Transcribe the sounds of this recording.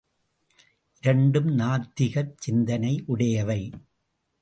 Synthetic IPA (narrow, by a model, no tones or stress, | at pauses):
ʔɪɾɐɳɖɯmnaːɾt̪ɪɣɐɾt͡ʃɪnd̪ɐnɐɪʔʊɽɐjɐʋɐɪ